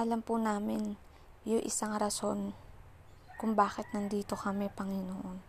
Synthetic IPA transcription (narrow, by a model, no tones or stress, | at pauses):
ʔɐlɐmpʊnaːmɪn | jʊŋʔɪ̰saŋɾɐso̞n | kʊŋbaːkɪt̪̚nɐnd̪iːt̪o̞kɐmɛpɐŋɪnoʔon